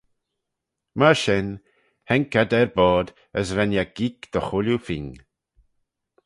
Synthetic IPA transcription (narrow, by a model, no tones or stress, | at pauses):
maɹʃɛn | hɛŋkad̪ɛɹbɔːd̪ | əsɾɛnjaɡ̥ikd̪̥əxʊljufɪŋ